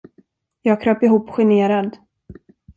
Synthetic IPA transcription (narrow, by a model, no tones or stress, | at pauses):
jɑːɡ̚kʰɾøːpɪɦuːpːɧɛneːɾad̪